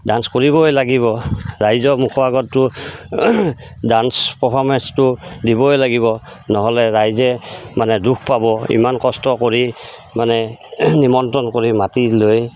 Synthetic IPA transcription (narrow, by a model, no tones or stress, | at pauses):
danskoɹibɔɦjlaɡiβɔɹajzɔmukʰɔbaɡɔtːʊ | danspɔpʰɔɹmɛnstʊdibɔɦjlaɡibɔ | nɔɦɔlɛɹajzɛmanɛduk̚ʰpabɔḭmankɔstɔkoɹi | manɛnimɔntɔnkoɹimatiloj